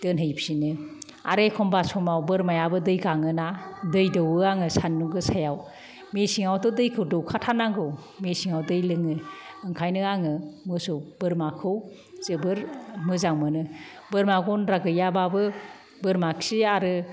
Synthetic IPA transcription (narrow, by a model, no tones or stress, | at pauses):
d̥ɯnɦɯjpsinɯ | a̰ɾekʰɔmbasɔmawbɯɾmajabɯdɯjɡaŋɯnadɯjdɯwɯaŋɯsanːuɡɯsajaw | mesiŋawtɯdɯjkʰɯwdɯwkʰatʰanaŋɡɯw | mesiŋawdɯjlɯŋɯɯŋkʰajnɯaŋɯmɯsub̥ɯɾmakʰɯw | z̥ɯbɯɾmɯzaŋmɯnɯ | bɯɾmaɡɔnɾaɡɯjababɯ | bɯɾmak̚siaɾɯ